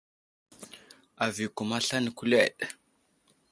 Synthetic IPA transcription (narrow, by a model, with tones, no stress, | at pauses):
a˨vi˨ku˨ma˦ɬa˦ni˨ku˦le˦˨ɗ̥